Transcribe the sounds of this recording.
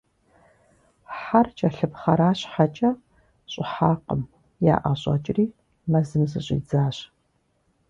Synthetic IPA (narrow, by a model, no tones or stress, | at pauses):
ħart͡ʃʼɐɬɨpχɐɾaːɕħat͡ʃʼɐ | ɕʼɪħaːqəm | ja̰ːʔɐɕʼɐ̰t͡ʃʼriː | mɐzɨmzɨɕʼḭːd͡zaːɕ